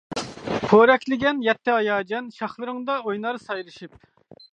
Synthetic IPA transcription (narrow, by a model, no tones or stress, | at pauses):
pʰoɾɛkʲlɪɡʲɛnjɛt̪ʰːɪɑjɑːd͡ʒɛnʃɑχlˠɨɾɨŋd̪ɑojnɑɾsɑjlˠɨʃip̚